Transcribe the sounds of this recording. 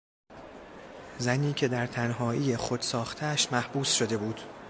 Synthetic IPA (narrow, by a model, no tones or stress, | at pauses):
zæniːcʰe̞d̪æɾt̪ʰænɦɒːʔiːjexod̪̥sɒːxt̪ʰeʃmæhb̥uːsʃod̪e̞buːd̪̥